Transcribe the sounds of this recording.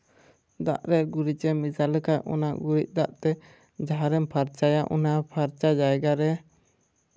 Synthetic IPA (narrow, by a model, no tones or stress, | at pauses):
d̪a̰ʔɾɛɡuɾit͡ʃɛmisaləkaʔɔ̰naʔɡuɾiʔ̚ˀd̪aʔt̪ɛ | d͡ʒaɦaɾɛmpʰaɾt͡ʃajaʔṵnapʰaɾt͡ʃad͡ʒaɛɡaɾɛ